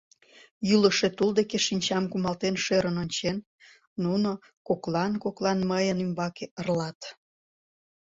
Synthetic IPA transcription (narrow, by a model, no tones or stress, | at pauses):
jyləʃet̪uld̪ekeʃinʲt͡ɕɑmkumɑlt̪enʃeɾənonʲt͡ɕenː | uno | koklɑnkoklˠɑnməjənymbɑkeərlɑt̪